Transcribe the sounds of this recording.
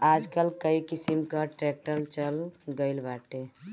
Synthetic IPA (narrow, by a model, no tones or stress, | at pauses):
ad͡ʒkəlkəjkisimkəʈɾek̚ʈəlt͡ʃəlɡəɪlbaʈe